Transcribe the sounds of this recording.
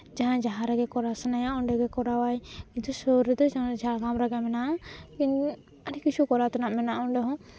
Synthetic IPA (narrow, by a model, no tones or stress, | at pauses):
d͡ʒaɦãd͡ʒaɦãɾɛɡɛkɔɾasɛnajaɔɳɖɛɡɛkɔɾawajkint̪usɔɾɛd̪ɔd͡ʒad͡ʒalɡamɾaɡɛmɛnaki | aɖikit͡ʃʰukɔɾat̪anaʔmɛnaʔɔɳɖɔɦɔ̃